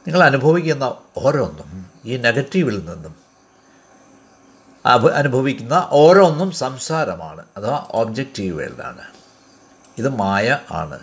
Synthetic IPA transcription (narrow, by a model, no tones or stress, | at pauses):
niŋːɐɭɐnubʱɐʋikʲːunːɐo̞ːɾeonːum | iːne̞ɡɐtːiʋilninːum | ɐnubʱɐʋikʲːunːɐʔo̞ːɾeonːumsɐmsaːɾɐma̰ːɳɨɐðaʔoːbd͡ʑek̚ʈiːʋḛlːa̰ːɳɨ | iðɨmaːjɐa̰ːɳɨ̰